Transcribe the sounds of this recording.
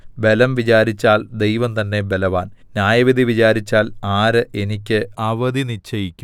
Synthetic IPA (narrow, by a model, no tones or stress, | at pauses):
be̞lɐmʋit͡ɕaːɾit͡ɕːaːld̪e̞jʋɐmt̪ɐnːe̞be̞lɐʋaːnnjaːjɐʋid̪ʱiʋit͡ɕaːɾit͡ɕːaːlaːɾɨʔenikʲːɨɐʋɐd̪init͡ɕːɐjikʲːum